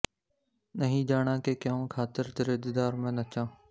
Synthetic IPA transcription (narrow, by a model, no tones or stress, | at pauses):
nəɦĩːd͡ʒaːɽ̃ãːkeːkõːkʰaːt̪ɪɾt̪ɪɾɪd̪ɪd̪aːɾmẽːnət͡ʃãː